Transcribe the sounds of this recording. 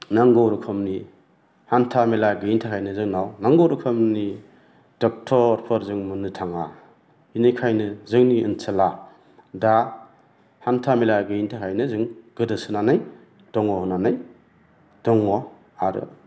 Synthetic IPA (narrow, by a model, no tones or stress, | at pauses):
naŋɡowɾɔkʰɯmni | hantʰamelaɡɯintʰakʰajnɯzɯŋnawnaŋɡowɾukʰɯmni | d̥ɔk̚tʰɔɾpʰɯɾzɯŋmɯnɯtʰaŋa̰ | inɯjkʰajnɯzɯŋniɯ̰nsʰɐla | da | hantʰamilaɡɯintʰakʰajnɯzɯŋɡ̥ɯdɯsɯnanɯj | d̥ɔŋɔɦɔnanɯj | d̥ɔŋɔ | aɾɯ̰